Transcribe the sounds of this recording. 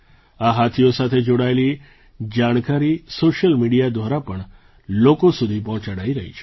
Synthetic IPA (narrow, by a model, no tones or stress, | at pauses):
aɦat̪ʰijosat̪ʰed͡ʒoɽaeli | d͡ʒaɽ̃kaɾisoʃəlmiɽijad̪ʋaɾapəɳ | lokosud̪ʱipɔ̃ɦt͡ʃaɽaiɾəɦḭt͡ʃʰe̥